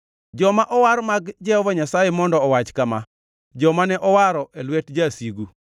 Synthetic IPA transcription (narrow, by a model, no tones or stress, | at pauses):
d͡ʒɔmaʔɔwaɾmaɡd͡ʒɛhɔvaɲasajɛmɔndɔːwat͡ʃkama | d͡ʒɔmanɛʔɔwaɾɔʔelwetd͡ʒasiɡu